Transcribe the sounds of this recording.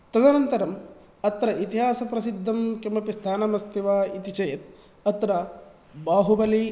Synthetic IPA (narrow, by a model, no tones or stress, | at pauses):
t̪ɐd̪ɐnɐnt̪ɐɾɐm | ɐt̪ɾɐʔit̪iɦaːsɐpɾɐsid̪ʱːɐmkɐmɐpist̪ʰaːnɐmɐst̪iʋaːit̪it͡ʃɐjɐt̪̚ | ɐt̪ɾɐ | baːɦubɐli